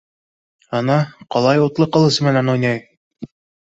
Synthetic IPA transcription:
ɑnɑqɒlˠɑjut̪lˠɤqɤ̆lˠɤsɤ̆mænænujnʲɑj

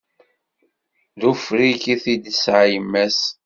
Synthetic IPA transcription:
ðufɾikiθid̪əsʕajəmːæs

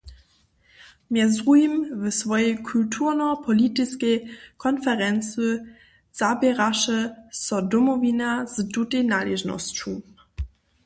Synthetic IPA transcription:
mjɛzdʁujimvəsvɔjɛkʰultʰuʁnɔpʰɔlitiskɛjkʰɔnfɛʁɛnt͡sə | z̥abʲjɛʁaʃəsɔdɔmɔvʲinaz̥dutejnalɛʒnɔ̰st͡ʃu

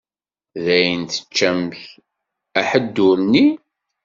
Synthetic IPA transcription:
ðæjənt̪ə̥t͡ʃːæmç | æħəd̪ːʊɾni

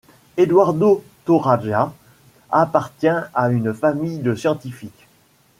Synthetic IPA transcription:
ed̪waʁd̪ot̪oʁaʒa | apaʁt̪jɛ̃aynfamijd̪əsjɑ̃t̪ifik

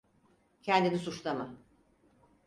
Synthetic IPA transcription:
cʰɛnd̪inisut͡ʃlˠama

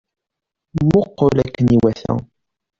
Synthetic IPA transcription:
mʊqːolækːəniwæθæ̰

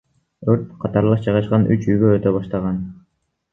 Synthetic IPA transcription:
øɾt̪̚qʰɑt̪ɑɾlˠɑʃd͡ʒɑjʁɑʃqɑnʔy̰t͡ʃyjɡøøt̪øbɑʃt̪ɑʁɑn

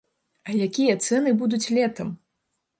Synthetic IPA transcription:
ɐjakʲijɐt̪sɛnɨbud̪ut͡sʲlʲɛt̪ɐm

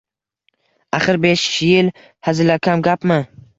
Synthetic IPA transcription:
aχɪɾbeʃjɪl | hazɪlakʲʰamɡʲapmɪ

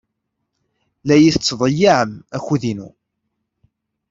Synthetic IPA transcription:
læjiθət͡sːðˤəjːiʕəmæçuðinṵ

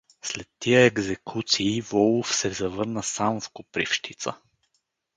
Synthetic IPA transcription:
slɛt̪ːijəɛɡzɛkʰut̪siːvɔlˠfsɛzɐvɤɾnəsamfkʊpɾifʃt̪it̪sə

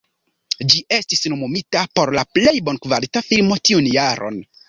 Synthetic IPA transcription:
d͡ʒiʔe̞stisnomomitapo̞ɾlaple̞jbo̞nkvalitafilmo̞tiunjaɾʔo̞̰n

